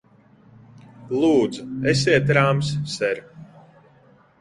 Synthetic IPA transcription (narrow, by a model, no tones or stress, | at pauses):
lˠuːd̪zuɛsʲiɛt̪ɾaːmssɛɾ